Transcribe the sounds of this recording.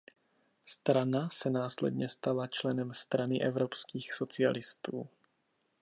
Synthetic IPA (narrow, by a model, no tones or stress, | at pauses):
st̪ɾanasɛnaːslɛ̰dɲɛst̪alat͡ʃlɛnɛmst̪ɾanɪʔɛvɾopskiːxso̞t͡sɪa̰lɪst̪uː